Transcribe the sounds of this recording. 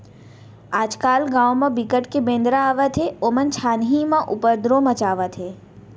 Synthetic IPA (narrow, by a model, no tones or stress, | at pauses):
aːd͡ʒkaːlɡãːwmɐ̃bikəʈkebẽːnd̪ɾaaːʋət̪ʰeoːmənt͡ʃʰaːnɦimãʔʊpəɾd̪ɾõmə̃t͡ʃaːʋət̪ʰɦe